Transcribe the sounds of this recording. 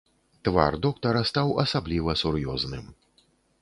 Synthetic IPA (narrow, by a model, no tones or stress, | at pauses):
t̪va̰rd̪ɔkt̪ɐɾɐst̪awɐsablʲivɐsurjɔznɨm